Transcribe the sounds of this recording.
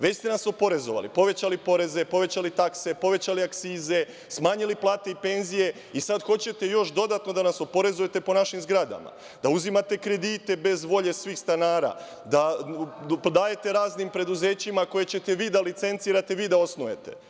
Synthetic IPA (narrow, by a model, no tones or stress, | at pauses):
ʋe̞t͡ɕst̪enaso̞po̞ɾe̞zo̞ʋa̰lḭpo̞ʋet͡ɕalipo̞ɾe̞ze̞po̞ʋe̞t͡ɕalit̪akse̞po̞ʋe̞t͡ɕaliakt̪siːze̞ | smaːɲiliplˠaːt̪e̞ipe̞nzije̞ | isad̪xo̞t͡ɕe̞t̪e̞jo̞ʃd̪o̞d̪at̪no̞d̪anaso̞po̞ɾe̞zuje̞t̪e̞po̞naʃimzɡɾad̪a̰ma̰ | d̪̥auzimat̪e̞kɾe̞d̪it̪e̞be̞zʋo̞ʎe̞sʋiːxst̪anaːɾa̰ | d̪a | pd̪aːje̞t̪e̞ɾaːznimpɾe̞d̪uze̞ːt͡ɕimako̞je̞t͡ɕe̞t̪e̞ʋiːd̪alit̪se̞nt̪siːɾat̪e̞ʋiːd̪ao̞snuje̞̰t̪e̞̰